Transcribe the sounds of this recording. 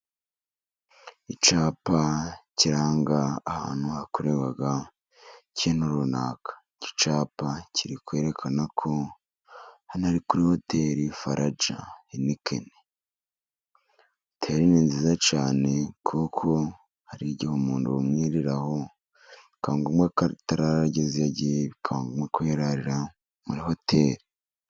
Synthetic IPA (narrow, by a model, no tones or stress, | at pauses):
it͡ʃaːpaciɾaːŋɡaːha̰ːn̥huakuɾeβaɡa | cienuɾunaːkʰḁ | ci̥t͡ʃaːpacʰiɾikwe̞ːɾe̞kʰanakʰo̞ | hanaɾikuɾiho̞teɾifaɾʔad͡ʒa̰inikʰḛne | tʰeɾiniːnzizat͡ʃaːne̞kʰukʰo̞ | haɾiɟihomuːnduumŋiɾiɾaho̞ | ikaːŋɡumwektaɾaɾaɟeziaɟiβikʰaŋɡumwekweɾaɾiɾa | muɾiho̞tʰe̞ɾi̥